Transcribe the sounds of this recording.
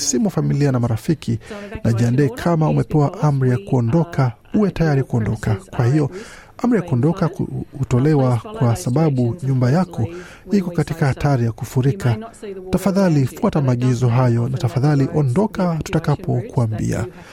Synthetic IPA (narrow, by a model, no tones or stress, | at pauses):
simuafamilianamaɾafikʰinaʄandɛkʰamaumɛpɛwaʔam̩ɾijakuɔndɔkʰa | uwɛtajaɾikuɔndɔkakwahijɔ | am̩ɾijakuɔndɔkakhutɔlɛwakwasaɓaɓuɲumbajakʰɔ | ikɔkatikahataɾijakufuɾikatafaðalifuatamaɠizɔɦajɔnatafaðaliʔɔndɔkatu̥takapɔkuambḭa̰